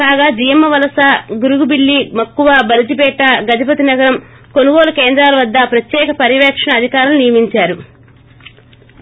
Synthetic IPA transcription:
kaːɡaːd͡ʒijɐmːɐʋɐlɐsaːɡuɾuɡubiɭːimɐkːuʋaːbɐɾit̪ibɛːʈːaɡɐd͡ʒɐp̬ɐt̪inɐɡɐɾɐm | ko̞nuɡoːlɐkeːnd̪ɾaːlɐʋɐd̪ːɐpɾɐt̪jɛːkɐpɐɾiʋɛːkʂɐɳɐːd̪ʱikaːɾɐlnijɐmiɲt͡ʃaːɾu

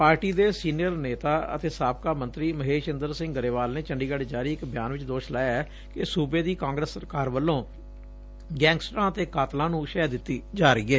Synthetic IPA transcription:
paːɾʈiːd̪eːsiːnijəɾneːt̪aːə̰t̪eːsaːp̚kaːmənt̪ɾiːməɦeːʃɪnd̪əɾsɪ̃ŋɡɡəɾeːʋaːlneːt͡ʃəɳɖiːɡəɖd͡ʒaːɾiːɪkbɪjaːnʋɪt͡ʃd̪oːʃlaːjaɛː | kɪsuːbeːd̪iːkãːŋɡɾəsːəɾkaːɾʋəlːõː | ɡɛ̃ːŋɡsʈɾãːət̪eːkaːt̪lãːnũːʃɛːd̪ɪt̪ːiːd͡ʒaːɾəiːɛː

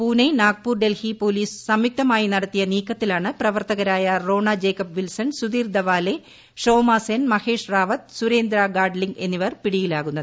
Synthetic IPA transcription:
puːnenaːk̚puːrɖelhipoːliːssɐmjuk̚t̪ɐmaːjinɐɽɐt̪ːijɐniːkːɐt̪ːilaːɳɨprɐʋɐrt̪ɐɣɐɾaːjɐro̞ːɳɐd͡ʑeːkːɐpʋilsɐnsud̪iːrd̪ɐʋaːle | ʂo̞ːmaːsenmɐhe̞ːʂraːʋɐt̪̚suɾeːnd̪ɾaɡaːɖliŋɡe̞nːiʋɐrpiɽijilaːɣunːɐðɨ

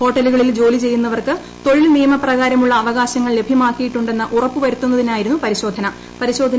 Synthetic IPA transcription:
ho̞ːʈːɐluɣɐɭild͡ʑo̞ːlit͡ɕe̞jːunːɐʋɐrkɨ | t̪o̞ɻilnijɐmɐprɐɣaːɾɐmuɭːɐːʋɐɣaːɕɐŋːɐɭle̞bʱimaːkːijiʈːuɳɖe̞nːɨʔurɐpːɨʋɐɾut̪ːunːɐðinaːjiɾunːupɐɾiɕo̞ːd̪ʱɐnɐ | pɐɾiɕo̞ːd̪ʱɐn

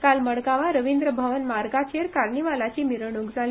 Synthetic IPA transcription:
kalməɽɡaʋaɾəʋind̪ɾəbʱəʋənmaɾɡat͡ɕeɾkaɾɳiʋalat͡ɕimiɾəɳ̃ũkd͡zʱali

